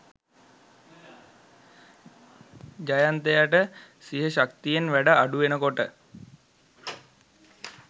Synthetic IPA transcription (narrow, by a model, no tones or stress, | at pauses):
d͡ʒajant̪ejaʈə | siɦəʃakt̪ijenʋæɖəːɖuʋenəkoʈə